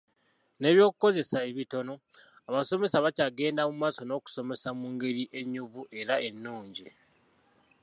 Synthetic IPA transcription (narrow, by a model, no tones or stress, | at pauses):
ne̞ːβjo̞ːkuko̞ze̞saeβito̞no̞ | aβaso̞me̞saβacaɡe̞ːndamumaːso̞no̞ːku̥so̞me̞samuːŋɡe̞ɾiʔe̞ɲːuβuʔe̞ɾae̞nːuːɲɟi